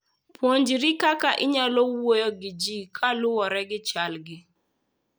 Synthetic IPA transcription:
pwoɲd͡ʒiɾikakaʔɪɲalɔwojɔɡɪd͡ʒikʰalʊwɔɾɛɡɪt͡ʃalɡɪ

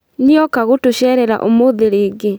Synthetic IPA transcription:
niɔkaɣotoɕɛɾɛɾa̰ʔomoðeɾeːɡe

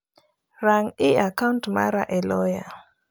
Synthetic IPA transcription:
ɾaŋiakantma̰ɾaʔɛlɔja

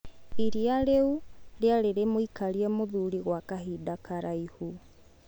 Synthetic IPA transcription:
iɾiaɾeuɾeaɾeɾemoikaɾiɛmoðuɾiɣwakaɦidakaɾaihu

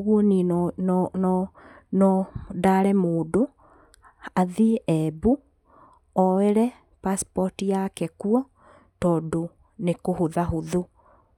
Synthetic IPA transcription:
ɣwɔninnɔ | nɔdaɾɛmoːdo | aðiʔɛbu | ɔeɾɛ | paspɔtijakɛkuɔ | tɔːdo | nekohoðaɦoðo

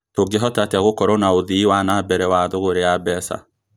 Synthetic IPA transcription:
toɡeɦɔtateaɣokɔɾɔnaoðiiwanabɛɾɛwaðoɣoɾeabɛsa̰

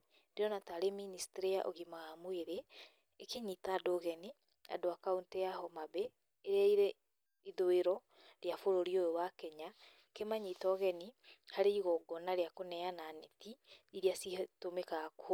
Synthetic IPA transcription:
deɔnataɾeministeɾijaʔo̰ɣimaɣamoeɾeː | keɲitaːdoɣɛni | a̰doakauntɛjahɔmabeː | ɾeaiɾe | iðoeɾɔ | ɾejafoɾoɾiojowakɛɲa | kemaɲitɔɣɛnihaɾeiɣɔɡɔnaɾeakonɛananetiiɾiasihtomekak

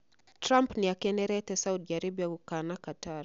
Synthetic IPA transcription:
tɾampnijakɛnɛɾɛtɛsaudd͡ʒaɾibijaukanakataɾ

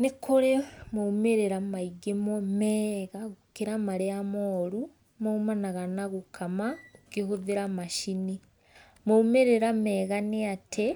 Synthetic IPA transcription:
nikuɾemumeɾeɾamaiɡemomeːɣaɣukiɾamaɾeamoːɾu | moumanaɣanaɣukʰamakihuðiɾamaʃini | moumeɾeɾameːɣaneatʰe

